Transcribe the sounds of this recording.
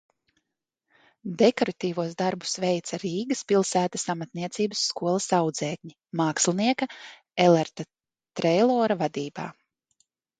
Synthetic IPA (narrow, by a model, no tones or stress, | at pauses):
d̪ekɔɾat̪iːvuɔzd̪aɾbu̥svɛjt̪saɾiːɡɐspʲilˠsæːt̪asamat̪niɛt̪siːbəsːkuɔlˠɐsawd̪zɛːk̚ɲi | maːkslʲˠniɛkɐ | ɛlˠɛɾt̪a | t̪ɾɛjlˠɔːɾavad̪iːba̰ː